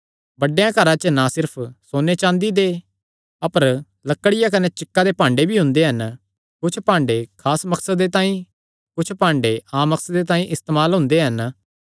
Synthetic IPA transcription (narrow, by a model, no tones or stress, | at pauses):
bɐɖejãkɐɾãt͡ʃənasɪɾpʰsoːnet͡ʃãːnd̪id̪eː | ɐpəɾ | lɐkːəɽɪjak̬ɐnet͡ʃɪkːad̪epãːɳɖebʱiɦʊ̃nd̪eɦɐn | kʊt͡ʃʰpãːɳɖekʰaːsmɐksəd̪et̪ãːĩ | kʊt͡ʃʰpãːɳɖeãːmːɐksəd̪et̪aːĩʔɪst̪eːmaːlɦʊ̃nd̪eɦɐn